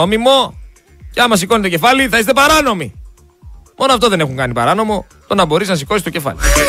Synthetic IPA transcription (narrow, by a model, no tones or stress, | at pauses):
omimo̞ | ceɐmɐs̬iko̞net̪o̞ce̞fɐliθɐist̪e̞pɐɾɐno̞mi | mʔo̞noɐft̪o̞ðe̞ne̞xuŋkɐnipɐ̰ɾɐno̞mo̞ | t̪o̞nɐbo̞ɾiznɐsiko̞sist̪ce̞fɐ̰lḭ